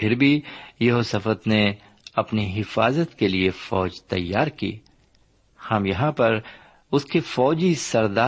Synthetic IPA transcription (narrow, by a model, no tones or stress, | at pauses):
pʰɪɾbʱijɐɦoːsəfət̪ne | ɐpniɦɪfaːzət̪keliefɔːd͡ʒt̪ɐjːaːɾkḭː | hɐmjɐɦãpɐɾ | ʊskefɔːd͡ʒisɐɾd̪aː